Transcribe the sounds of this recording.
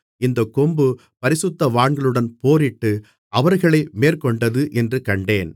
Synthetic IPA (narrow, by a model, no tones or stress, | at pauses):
ɪnd̪ɐkɔmbɯ | pɐɾɪsʊt̪ːɐʋaːɳɡɐɭɯɽɐnpoːɾɪʈːɯ | ɐʋɐɾɣɐɭɐɪmeːrkɔɳɖɐðɯʔɛndrɯkɐɳɖeːn